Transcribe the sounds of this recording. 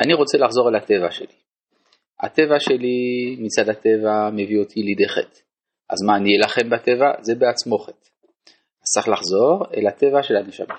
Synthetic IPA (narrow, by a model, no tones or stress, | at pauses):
ʔaniʁo̞t͡selaχzo̞ʁelhat̪e̞vaʃeli | a̰t̪e̞vaʃe̞limit͡sad̪hate̞vame̞vio̞t̪ʰilid̪eχet | ʔa̰zmaːnijelaχe̞mbatevaze̞beat͡smo̞χet | az̥t͡saχlaχzo̞ʁḛlat̪e̞vaʃe̞laneʃa̰ma